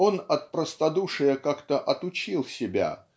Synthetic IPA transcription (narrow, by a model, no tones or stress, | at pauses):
o̞nɐt̪̚pɾəst̪ɐd̪uʂɨjəkakt̪əʔɐt̪ʊt͡ɕilˠsʲɪbʲa̰